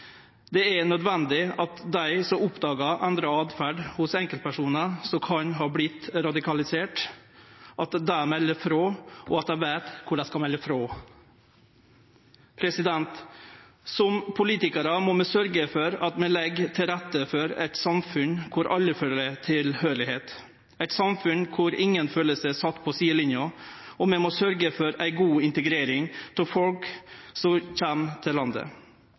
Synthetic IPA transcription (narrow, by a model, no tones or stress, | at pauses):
d̪ɛɛnœd̪ʋɛnd̪ɪɑt̪d̪æɪsɔmʊpd̪ɑːɡɑʔɛnd̪ɾɑɑːd̪fæɖhʊsɛŋkəlt̪̚pʰæʂuːnɑsɔkʰɑɲɦɑːblɪt̪ɾɑd̪ɪkɑlɪseːʈ | ʔɑt̪d̪æmɛlːəfɾoːʔɔɑt̪̚d̪æɪʋæɪt̪kʰʊɖæɪskɑlmɛlːəfɾoː | pʰɾɛsɪd̪ɛnt̪ | sɔmpʰʊliːt̪ɪkəɾəmɔmɛsœɾɡəfɔɾɑt̪mɛlɛɡt̪ʰɪlɾæt̪ːəfɔɾæ̰ɪt̪sɑmfʉnkʰʊɾʔɑlːəføːɾət̪ʰɪlhøːɾɭɪheːt̪ | æɪt̪sɑmfʉnkʰʊɾɪŋənføːləsəsɑt̪ːpʰɔsiːəlɪnjʊɔmɛmɔsœɾɡəfɔɾæɪɡuːɪnt̪əɡɾeːɾɪŋt̪ʰɪfɔlksɔçɛmt̪ʰɪlɑnd̪ə̰